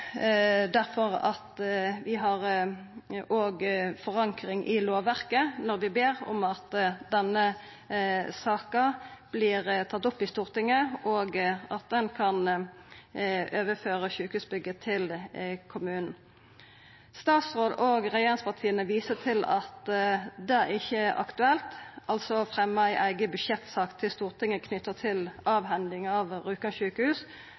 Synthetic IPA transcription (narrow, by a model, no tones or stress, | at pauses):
d̪æʁfɔʁɑt̪ʋɪɦɑʁ | oːɡfɔʁɑŋkʁɪŋʔɪloːʋæʁkənɔʁʋɪbeːʁɔ̰mɑt̪d̪ɛnːə | sɑːkɑb̥liːʁt̪ʰɑt̪ːʊpːɪst̪uːʁt̪ɪŋəʔoːɡʔɑt̪̚d̪ɛnkʰɑn | ʔøːʋəføːʁəʃʉːkəhʉːsbʏɡːət̪ʰɪlkʰʊmʉːnn̩ | st̪ɑːt̪sʁoːd̪oːɡʁɛjeːʁɪŋspʰɑʁt̪ʰiːənəʋiːsət̪ʰɪlɑ̰t̪d̪ɛæʁɪçːəʔɑ̰kt̪ʉɛlt̪ʔɑlsɔfʁɛmːɑæɪʔæɪɡəbʉdʃɛt̪sɑːkt̪ʰɪlst̪uːʁt̪ɪŋəkʰnʏt̪ːət̪ʰɪlʔɑːʋɦɛnd̪ɪŋɑʋʁʉːkəçʉːkəhʉːs